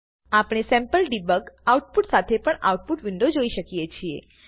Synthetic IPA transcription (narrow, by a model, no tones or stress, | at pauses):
apɽ̃esɛ̃mpəlɖibəkauʈ̚puʈsat̪ʰepəɳa̰uʈ̚puʈʋɪ̃ɳɖod͡ʒoiʃəkijet͡ʃʰiḛ